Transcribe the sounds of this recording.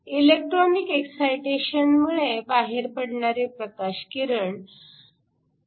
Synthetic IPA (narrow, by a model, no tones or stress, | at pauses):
ilek̚ʈɾɔnikeksajʈeɕənmuɭebaɦeɾpəɽɳaɾepɾəkaɕkiɾəɳ